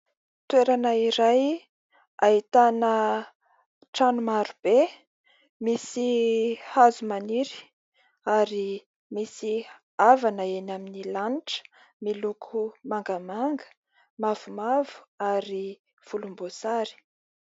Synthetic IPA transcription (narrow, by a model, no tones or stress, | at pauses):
t̪ueɾanəiɾaj | ait̪anə | ʈ͡ʂanumaɾub̥e | misihazumaniɾi̥ | aɾi | misi | avanəenaminilaniʈ͡ʂə̥ | milukʰumaŋɡamaŋɡə̥ | mav̥umavu̥aɾi | v̥ulumbosaɾi̥